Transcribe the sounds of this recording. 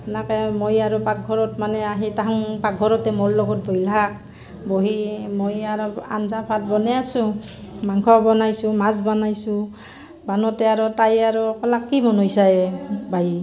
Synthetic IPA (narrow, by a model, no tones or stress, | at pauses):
pnakɛmojaɹɔpak̚ɡʱɔɹɔtmanɛaɦitaɦaŋpaɡ̚ɡʱɔɹɔtɛmɔllɔɡɔt̚bɔjlak̚ | bɔɦimojaɾɔa̰nzapʰalbɔnɛasʊ | maŋkʰɔbɔnajsʊmazbanajsʊ | banɔtɛaɹɔtajaɹɔkɔlakkimɔnɔjsaɛbaj